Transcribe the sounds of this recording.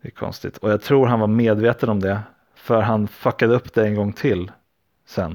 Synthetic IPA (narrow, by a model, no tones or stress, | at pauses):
d̪ɛkʰɔ̰nst̪ɪ̰t̪ʰɔjaɡt̪ʰɾuːɾɦanvaɾmeːd̪veːt̪ənɔmd̪ɛ | fœɾɦanfakːad̪əɵpːd̪ɛɛnɡɔŋːt̪ʰɪlː | sɛnː